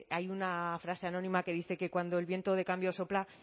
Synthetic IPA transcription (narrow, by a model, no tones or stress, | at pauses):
ajunafɾase̞anõ̞nĩmake̞ðiθe̞ke̞kwand̪o̞e̞lβje̞nt̪o̞ðe̞kambjoso̞pla